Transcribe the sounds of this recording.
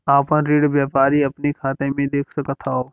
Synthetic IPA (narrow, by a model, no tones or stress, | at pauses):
aːpə̃ɾiːɽʋjaːpaːɾiɐpnikʰaːt̪ẽmẽd̪eːkʰsəkət̪ʰaɦoː